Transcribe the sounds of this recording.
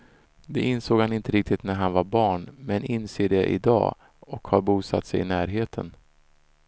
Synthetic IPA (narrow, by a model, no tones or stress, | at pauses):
d̪ɛɪnsoːɡhanɪnt̪əɾɪk̚t̪ɪt̪næɾɦanvaɾbɑːɳmɛnɪnseːɖɛʔɪ̰d̪ɑ̰ː | ɔkhaɾbuːsa̰t̪ːsɛjɪ̰næːɾɦeːt̪ʰə̰n